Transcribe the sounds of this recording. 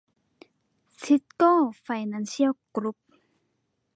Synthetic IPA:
sʰi˧˥t̚kɔ˥˨fa˧jna˧˨nsi˦a˧˨kɾu˧˥p̚

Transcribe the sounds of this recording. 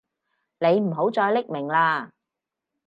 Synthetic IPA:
ne˨˧jm̩˨˩ɦo˨˥wt͡sɔː˧jlɪ˥k̚mɪ˨˩ŋlaː˧

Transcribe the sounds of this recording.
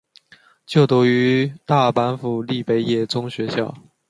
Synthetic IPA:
t͡ɕjo˥˩ʊt̪u˧˥y˧˥t̪a˥˩pa˧˥nfu˨˩li˥˩pe˧˥ɪjɛ˥˩t͡sʊ˥ŋɕɥɛ˧˥ɕjɑ̰˥˩ʊ

